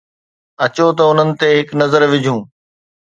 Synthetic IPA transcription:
ɐt͡ɕot̪ɐʊn̤ənɪ̆t̪eːɦɪknɐzəɾʋɪd͡ʑʱũː

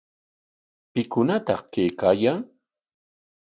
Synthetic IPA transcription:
pɪkʊnat̪ɑ̰χkejkaːjaŋ

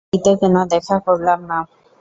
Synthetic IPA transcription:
it̪okenod̪ɛkʰakoɾlamna

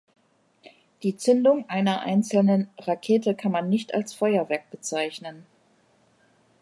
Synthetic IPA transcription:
d̥iːt͡sʏndʊŋʔaɪnɐʔa̰ɪnt͡sl̩nənʁakʰeːtəkʰanmanːɪçta̰lsfɔʏɐvɛɐk̚b̥ət͡saɪçnən

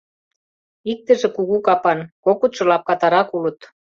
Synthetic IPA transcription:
ik̚t̪ə̆ʒĕkuɣukɑpɑnkokut̪ʃɤ̆lɑp̚kɑt̪ɑɾɑkulə̆t̪

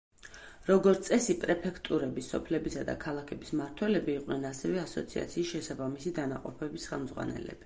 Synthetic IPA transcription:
ɾɔɡɔt̪sʼɛsipʼɾɛpʰɛkʰt̪ʼuɾɛbisɔpʰlɛbisad̪a̰kʰalˠakʰɛbismaɾt̪ʰwɛlɛbiːqʼnɛnasɛvɛasɔ̰t̪sʰia̰t̪sʰiːsʃɛsabamisid̪anaqʼɔpʰɛbisχɛlˠmd̪zʁwa̰nɛ̰lɛ̰b̥i̥

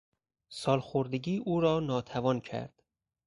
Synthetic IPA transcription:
sɒːlxoɾd̪eɡiːʔuːɾɒːnɒːt̪ʰævɒːncʰæ̰ɾd̪̥

